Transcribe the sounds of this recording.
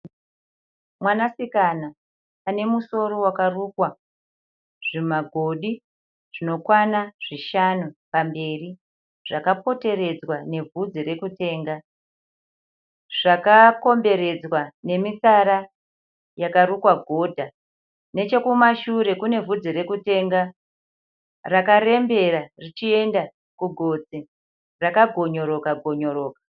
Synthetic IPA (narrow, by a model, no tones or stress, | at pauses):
mwanasikanaː | ne̞muso̞ɾo̞wakarukwa | ʐ̥imaɡʱo̞ɗi | ʐ̥ino̞kwanaʐ̥iʃanupambe̞ːri | ʐ̥akapo̞te̞ɾe̞d͡zwane̞vud͡ziɾe̞kute̞ːŋɡa | ʐ̥akako̞mbe̞ɾe̞d͡zwane̞misaɾa | jakaɾukwaɡʱo̞dʱa | ne̞t͡ʃe̞kumaʃuɾe̞kune̞vud͡ziɾe̞kute̞ŋɡa | rakaɾe̞mbe̞rarit͡ʃie̞nda | kuɡʱo̞d͡zi | rakaɡʱo̞ɲoɾo̞kaɡʱo̞ɲo̞ɾo̞ːkḁ